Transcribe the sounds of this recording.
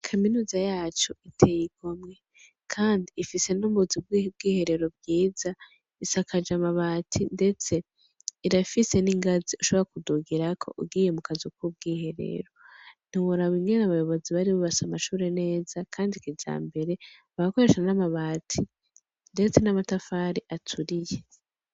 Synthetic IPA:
kʰaminuːzajaːt͡ʃo̞itʰe̞jiɡ̥omŋe̞ | kʰaːndiːfise̞nuβuzib̚ɡib̚ɡiːhe̞ɾe̞ɾo̞bjiːza | isakad͡ʒamaβaːtʰinde̞t͡se̞ | iɾafise̞niŋɡaziuʃo̞βoɾakuduɡiɾakʰo̞̰ʔṵbɡiːje̞mukazikʰub̚ɡiːhe̞ɾe̞̰ɾo̞n̥iwuɾaβwiŋɡenaβajo̞βo̞ziβaɾiβoβasamaʃuːɾe̞ne̞ːz̥akʰaːndikid͡ʒa̰ːmbe̞ɾe̞βaβako̞ɾe̞ːʃanamaβaːtʰi | nde̞t͡se̞namatafaːɾiʔatʰuɾije̞

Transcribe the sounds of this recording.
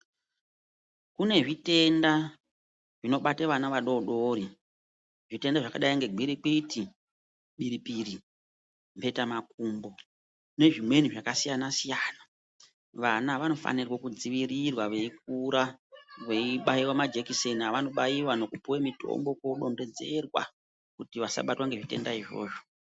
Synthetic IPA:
kune̞ʐite̞nda | ʐino̞ɓateʋanaʋaɗo̞ɗoɾi | ʐite̞ndaʐakaɗaiŋɡe̞ɡiɾik͡piti | ɓiɾipiri | mpe̞tamak̚uːmbo̞ | ne̞ʐimwe̞niʐakasijanasijaːna | ʋanaʋano̞fa̰nirwokud͡ziʋirirwaʋe̞ik̚uɾaʋeiɓaiwamad͡ʒekiseniaʋano̞ɓajiwano̞kupuwemitʰo̰mbo̞koɗo̞nde̞d͡ze̞rwa̰ | kutiʋasa̰ɓatwaŋɡe̞ʐite̞̰ndaiʐo̞̰ːʐo̞̥

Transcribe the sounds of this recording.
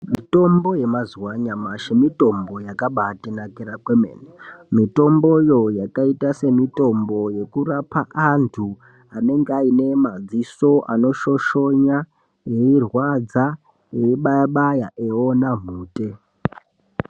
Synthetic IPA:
mito̞mbo̞je̞mazuwaɲamaʃemito̞mbo̞jakaɓatenakeɾakwemḛːnemito̞mbo̞jo̞jakaitase̞mito̞mbo̞je̞kurapaʔantʰu | ane̞ŋɡaine̞mad͡ziso̞ʔano̞ʃo̞ʃo̞ɲa | je̞irwad͡za | jeiɓajaɓajaʔeonam̤uːte̞

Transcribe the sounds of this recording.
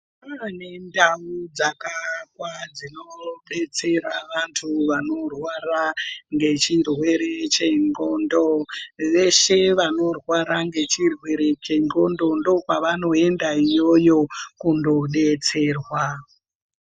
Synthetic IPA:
pane̞ndaud͡zakakwad͡zinoɓe̞t͡se̞ɾaʋantʰuʋano̞rwaraŋɡe̞t͡ʃindwe̞ɾet͡ʃe̞ŋɡondoʋe̞ʃe̞ʋano̞rwaɾaŋɡe̞t͡ʃirwe̞ɾe̞t͡ʃeŋɡo̞ndo̞ndo̞kwaʋano̞e̞ndaijo̞jo̞kundo̞ɗe̞t͡se̞ːrwa

